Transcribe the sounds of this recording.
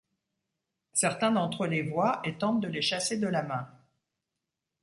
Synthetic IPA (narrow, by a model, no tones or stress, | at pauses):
sɛʁt̪ɛ̃d̪ɑ̃t̪χəlevwaʔet̪ɑ̃t̪̚d̪əleʃased̪əlamɛ̃